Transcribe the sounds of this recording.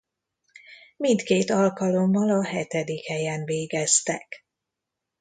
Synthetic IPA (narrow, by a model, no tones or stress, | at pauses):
mint̪keːt̪ɒlkɒlo̞mːɒlɒɦɛt̪ɛd̪ikhɛjɛnveːɡɛst̪ɛk